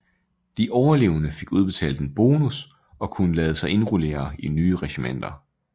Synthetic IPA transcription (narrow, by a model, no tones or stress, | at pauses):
d̥iʔɒʊɐle̝̰ːʊnəfe̝ɡ̥uð̞ˠb̥e̝t͡sʰɛ̰ːld̥enb̥o̝ːnus | ɒ̽kʰunəlɛːð̞̩ˠsɑ̈ɪe̝nʁole̝̰ːɐinyːəʁɛɕimen̰d̥ɐ